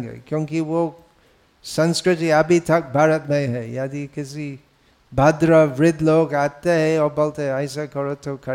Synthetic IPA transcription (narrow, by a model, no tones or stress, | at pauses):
ɡḛkjõːŋkiʋo | sɐ̃nskɾɪt̪iɐbʱit̪ʰɐk̚bʱaːɾət̪mẽɦɛjad̪ikɪsi | bʱaːd̪ɾəʋɾɪd̪ʱloːɡaːt̪eɦɛɔɾbolt̪eɦɛɐɪsekɐɾot̪ʰokʰɐ